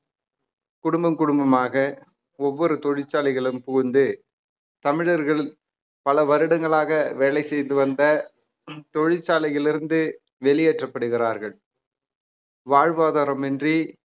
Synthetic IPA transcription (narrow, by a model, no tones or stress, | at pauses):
kʊɽʊmbɐmkʊɽʊmbɐmaːɣɐ | ɔʋːɔɾɯt̪ɔɻɪt͡ʃːaːlɪɣɐɭɯmpʊɣɯnd̪ɯ | t̪ɐmɪɻɐɾɣɐɭɪ | pɐlɐʋɐɾɯɽɐŋɡɐɭaːɣɐʋeːlɐɪsɛjnd̪ɯʋɐnd̪ɐ | t̪ɔɻɪt͡ʃːaːlɐjɪlɪɾɯnd̪ɯ | ʋɛɭɪjɛʈrɐpːɐɽɯɣɪraːɾɣɐɭ | ʋaːɻʋaːðaːɾɐmɛndri